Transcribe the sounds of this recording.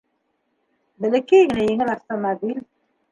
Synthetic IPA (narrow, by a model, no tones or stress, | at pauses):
bɘ̆lɘ̆kejɡɘ̆næjɘ̆ŋɘlaft̪omabilʲ